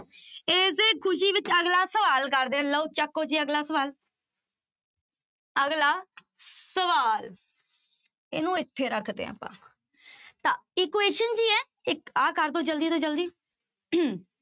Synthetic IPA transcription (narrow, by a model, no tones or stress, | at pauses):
eːs̬eːkʰʊʃiːʋɪt͡ʃəɡlaːsəʋaːlkəɾd̪ẽːləut͡ʃəkːoːd͡ʒiːəɡlaːsəʋaːl | əɡlaː | səʋaːl | ɪ̰nũːɪt̪ʰːeːɾəkʰd̪ḛːa̰ːpã̰ː | t̪ãːɪːkʊweːʃənd͡ʒiːɛː | ɪkaːkəɾd̪õːd͡ʒəld̪iːt̪õːd͡ʒəld̪iː